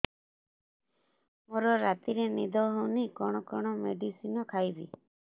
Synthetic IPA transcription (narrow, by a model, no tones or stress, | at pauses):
moɾɔɾat̪iɾenḭd̪ʱɔɦunikɔɽ̃ɔkɔɽ̃ɔmeɖisinɔkʰajbḭ